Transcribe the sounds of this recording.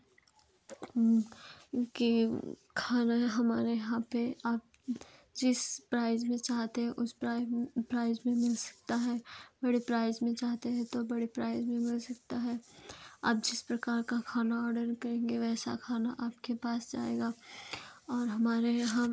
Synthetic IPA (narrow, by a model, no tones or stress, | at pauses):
ki | kʰaːnaɦɐmaːɾejɐɦãpeaːp̚ | d͡ʒɪspɾaːɪzmẽt͡ʃaːɦt̪eɦɛ̃ʔʊspɾaɪpɾaːɪzmẽmɪlsɐ̥k̚t̪aɦɛːbɐɽipɾaːɪzmẽt͡ʃaːɦt̪eɦɛ̃t̪obɐɽepɾaːɪzmẽmɪlsɐk̚t̪aɦɛa̰ːp̚d͡ʒɪspɾɐkaːɾkakʰaːnaɔːɾɖəɾkɐɾẽːŋɡeʋɛːsa̰kʰaːna̰ʔaːpkepaːsd͡ʒa̰ːḛːɡaː | ɔːɾɦɐmaːɾejɐɦã